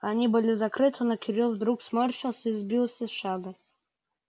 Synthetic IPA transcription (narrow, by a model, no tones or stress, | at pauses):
anʲibɨlʲizɐkɾɨt̪ʰɨnɐkʲɪɾʲuvd̪ɾuksmɔɾʲʃɪlˠsʲəizbʲilˠsʲəsʂad̪ɨ